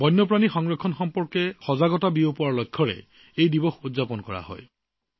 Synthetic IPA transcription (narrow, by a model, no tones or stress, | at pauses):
bɔjnːɔp̬ɹanixɔŋɹɔkʰːɔnxɔmpɔɹkɛxɔzaɡɔtabiopɔwaɹlɔjkʰːɔɹɛ̰ | ejdibɔxudzapɔnkɔɹa̰hɔ̰j